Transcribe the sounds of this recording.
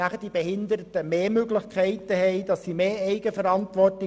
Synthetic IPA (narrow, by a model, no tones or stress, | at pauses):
æχəd̥ibehɪnd̪əɾətəmeːmøɡlɪçkʰæɪtəhɛɪdɑsːimeːɛɪɡəfəɾɑntʋɔrtɪ